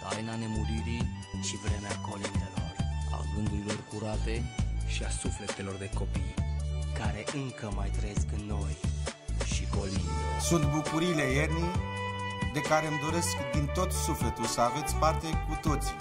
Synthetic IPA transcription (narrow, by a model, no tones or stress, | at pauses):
t̪a̰jnane̞muɾiɾiʃivɾeneako̞lind̪elo̞̰ra̰ɡɨnd̪uɾilo̞rkuɾat̪e̞ʃiasufle̞t̪e̞lo̞rd̪e̞ko̞pijkaɾe̞ʔɨŋkəmajt̪ɾəjeskɨnnːo̞j | ʃiko̞lḭnd̪esunt̪bukuɾiːle̞jerni | d̪e̞kaɾeɨmd̪o̞ɾe̞skd̪int̪o̞t̪sufle̞t̪ulsəave̞t̪sʲpart̪e̞kut̪o̞t̪si̥